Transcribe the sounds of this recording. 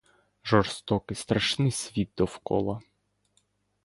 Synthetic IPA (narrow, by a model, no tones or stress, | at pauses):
ʒɔrst̪ɔkɪst̪ɾɐʃnɪsʲʋʲit̪̚d̪ɔwkɔ̰lˠɐ